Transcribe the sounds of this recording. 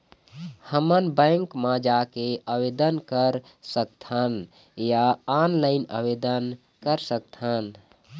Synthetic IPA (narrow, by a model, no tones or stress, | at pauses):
həmənbə̃ŋkmãd͡ʒakeəbed̪ənkəɾ | sək̚t̪ʰən | jaanlaɪnə̰ʋed̪ən | kəɾsək̚t̪ʰən